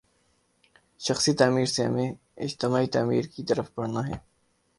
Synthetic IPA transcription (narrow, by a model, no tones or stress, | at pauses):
ʃɐxsit̪aːmiːɾseɦɐ̰mẽ | ɪd͡ʒt̪ɪmaːit̪aːmḭːɾkit̪əɾəfpɐɽnaɦɛː